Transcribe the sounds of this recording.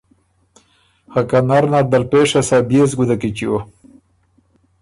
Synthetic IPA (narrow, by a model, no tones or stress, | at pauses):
hakanaɾnad̪alpeʂasabjezɡud̪akit͡ʃio